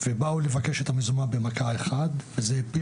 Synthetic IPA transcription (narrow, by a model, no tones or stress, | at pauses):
vebaule̞vakeʃet̪amezumabemakaeχad̪vezepi